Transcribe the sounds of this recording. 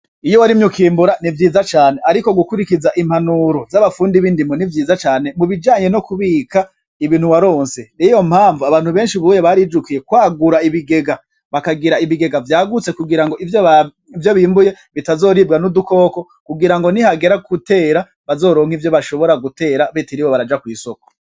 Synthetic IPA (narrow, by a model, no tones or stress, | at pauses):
ijowaɾimɲukiːmbuɾanivjiːzat͡ʃaːne̞ʔaɾiko̞ɡukuɾikizaʔim̥hanuɾo̞zaβafuːndiβiːndimonivjiːzat͡ʃaːne̞muβid͡ʒaːɲe̞no̞kuβiːka | iβiːnhuwaɾo̞ːnse̞nijo̞mhaːɱvuaβaːn̥huβe̞ːnʃiβuːjeβaɾiːd͡ʒukije̞kwaːɡuɾaiβiɡe̞ɡa | βakaɡiɾaiβiɡe̞ɡavjaːɡut͡se̞kuɡiɾaŋɡo̞ʔivjo | ivjo̞βiːmbuje̞ | βitazo̞ːɾibɡanuduko̞ːko̞ | kuɡiɾaŋɡo̞nihaɡe̞ɾakute̞ːɾa | βazo̞ːɾo̞ːŋ̥hivjo̞βaʃo̞βo̞ɾaɡute̞ːɾaβitiɾiwoβaɾad͡ʒakwiːsoko̥